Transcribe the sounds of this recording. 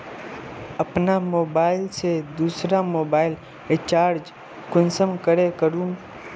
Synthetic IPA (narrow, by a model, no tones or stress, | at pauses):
əpnamobailt͡ʃʰed̪usɾamobail | et͡ʃaɾd͡ʒ | kʊnsəmkəɾekəɾũm